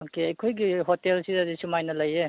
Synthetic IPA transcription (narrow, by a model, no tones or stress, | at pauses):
okeɐjkʰojɡiɦotelsizɐzisumajnɐlɐje